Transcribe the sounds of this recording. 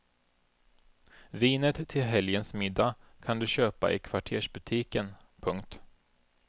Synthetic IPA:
viːnət̪ʰːɪlɦɛljənsmɪd̪ːakʰand̪ɵɕøːpa̰ʔɪ̰kʰv̥aʈʰeːʂbɵt̪ʰiːkənpʰɵŋk̚t̪

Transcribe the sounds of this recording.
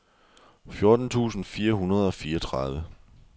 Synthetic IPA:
fjo̝ɐd̥n̩t͡sʰṵːsn̩fiːɐɦunɐð̞ˠɒ̽fiːɐɒt͡sʰʁɑðˠʋə

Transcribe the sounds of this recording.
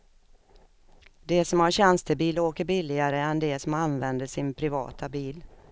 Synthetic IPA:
d̪ɛsɔmhaɾɕɛnst̪əbiːloːkəɾbɪlːɪɡaɾəɛnd̪ɛsɔmanvɛnd̪əʂɪnpʰɾɪvɑ̰ːt̪abiːl

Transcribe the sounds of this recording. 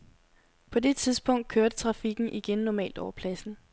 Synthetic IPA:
pʰɒ̽de̝t͡sʰiðˠsb̥ɔ̽ŋ̰d̥̚kʰøɐd̥ət͡sʰʁɑ̈fiɡ̥n̩ʔiɡ̥enːɒmɛ̰ːld̥ɒʊɐpʰlæsn̩

